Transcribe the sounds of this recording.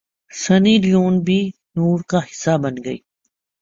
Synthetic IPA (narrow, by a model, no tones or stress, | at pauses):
sɐniːlijuːnbʱiːnuːɾkaɦɪ̥sːaːbɐnɡɐḭː